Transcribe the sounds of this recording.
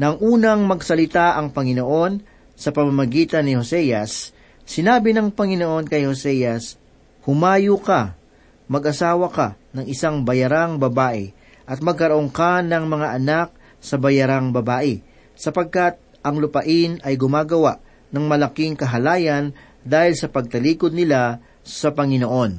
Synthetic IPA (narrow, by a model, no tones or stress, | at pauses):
nɐŋʔuːnɐŋmɐɡsɐlɪt̪aʔɐŋpɐŋɪno̞ʔo̞n | sɐpɐmamɐɡiːt̪ɐnːɪho̞sɛjɐsː | ɪnaːbɪnɐŋpɐŋɪno̞ʔo̞nkɐjho̞sɛjɐs | hʊmaːjʊka | mɐɡʔɐsaːwɐkanɐŋʔɪsaŋbɐjɐɾaŋbɐbaːʔɛ̰ | ʔɐt̪̚mɐɡ̚kɐɾoʔoŋkanɐŋmɐŋaʔɐnak̚ | sɐbɐjɐɾaŋbɐbaːʔɛ | sɐpɐɡ̚kat̪̚ | ɐŋlʊpɐʔɪnɐjɡʊmaːɡɐwaʔ | nɐŋmɐlɐkiŋkɐɦɐlaːjɐn | d̪aːhɪlsɐpɐɡ̚t̪ɐliːkod̪̚nɪla | sɐpɐŋɪno̞ʔo̞n